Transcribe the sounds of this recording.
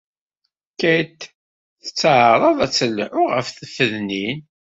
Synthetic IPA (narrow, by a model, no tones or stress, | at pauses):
kæjt̪ | θə̥t͡sːʕəɾˤɑðˤæt͡sːəlːʕʊʁə̰fθəfəðnin